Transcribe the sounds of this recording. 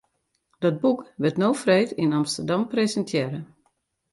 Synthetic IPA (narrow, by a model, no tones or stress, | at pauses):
dɔd̚bukʋɪtnowfrejtinɑmstərdɑmprezɛntʰjɛːɾə